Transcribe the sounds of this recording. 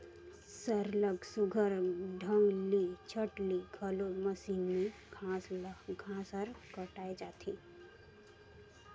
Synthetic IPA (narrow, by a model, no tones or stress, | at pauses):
səɾləɡsʊɡʱəɾɖʱə̃ŋɡlit͡ʃʰəʈliɡʱɐloməsiːnmẽ | ãsɡʱãːsəɾkəʈaːed͡ʒaːt̪ʰi